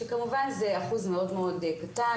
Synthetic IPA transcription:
ekamuvanzeaχuzmeo̞dmeo̞dkata

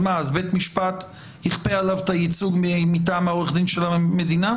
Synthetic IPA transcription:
maazbet̪miʃpat̪ | hiχpealavet̪ajit͡suɡmitaːmaoeχd̪inʃelamed̪ina

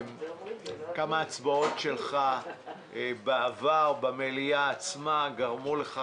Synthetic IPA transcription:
kamaːt͡sbao̞tʃelχa | beavaʁbamelijaːt͡smaɡaʁmuleχa

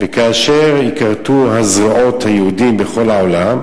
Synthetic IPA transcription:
vekaːʃeʁikaʁt̪uɦazʁaʔo̞t̪hajehud̪imbeχo̞laolam

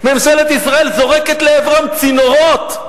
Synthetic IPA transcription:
memʃelet̪isʁae̞lzo̞ʁeket̪leevʁamt͡sinoʁot̪

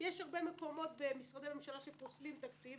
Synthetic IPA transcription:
jeʃhaʁbemeko̞mo̞t̪bemisʁad̪ejmamemʃalaʃeposlimt̪akt͡sil

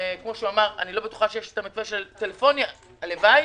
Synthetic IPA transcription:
kmo̞ʃeuamaʁa̰nilo̞betu̥χaʃejeʃe̥t̪amikvaʃelt̪elefo̞nja | levaj

